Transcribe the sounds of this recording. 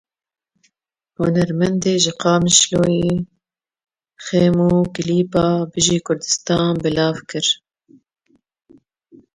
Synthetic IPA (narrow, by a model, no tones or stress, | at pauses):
hʊnɛɾmɛnd̪eːʒɪqɑːmɪʃloːjiː | xeːmuːkɪliːpɑːbɨʒiːkʰʊɾd̪ɨ̥st̪ɑːnbɨlɑːvkɨɾ